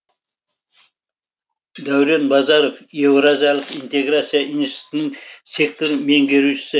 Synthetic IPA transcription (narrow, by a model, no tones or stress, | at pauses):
d̪æwɾe̞nbɑzɑɾofje̞wɾazijalˠəqint̪e̞ɡɾat̪sijaʔinsi̥t̪ɪnɪŋse̞k̚t̪oɾme̞ŋɡʲe̞ɾuʃɪ̥sɪ